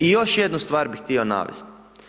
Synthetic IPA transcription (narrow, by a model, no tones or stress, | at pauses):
ijo̞ʃjed̪nust̪ʋaːɾbixt̪io̞na̰ʋḛst̪